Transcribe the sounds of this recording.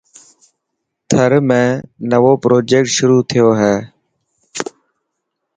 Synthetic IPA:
t̪ʰəɾmẽːnəʋoːpɾoːd͡ʒeːk̚ʈʃʊɾuːt̪ʰɪjoːɦɛː

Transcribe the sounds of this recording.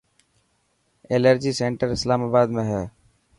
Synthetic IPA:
eːləɾd͡ʒiːseɳʈəɾɪslaːmaːbaːd̪mẽɦɛː

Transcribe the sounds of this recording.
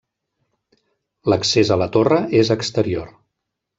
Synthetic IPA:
ləksezələt̪orəʔezəkst̪əɾioɾ

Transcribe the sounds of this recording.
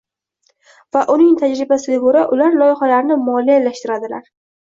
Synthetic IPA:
vaʔʊnɪŋt̪ʰad͡ʒɾɪbasɪɡʲaboɾaʔʊlaɾlˠɒjɪχalaɾnɪmɒlijalːaʃt̪ɪɾad̪ɪlaɾ

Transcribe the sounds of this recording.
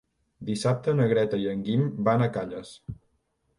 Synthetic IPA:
d̪isap̚t̪ənəɣɾɛt̪əiəŋɡimbanəkaʎəs

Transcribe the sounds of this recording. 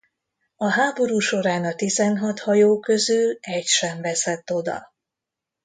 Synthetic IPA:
ɒɦaːbo̞ɾuːʃo̞ɾaːnɒt̪izɛnɦɒt̪hɒjoːkø̞zylɛcʃɛɱvɛsɛt̪ːo̞d̪ɒ̰

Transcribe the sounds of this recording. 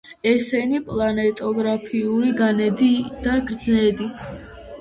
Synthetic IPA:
ɛsɛnipʼlˠanɛt̪ʼɔɡɾapʰiuliɡanɛd̪id̪̥aɡɾd̪znɛd̪i

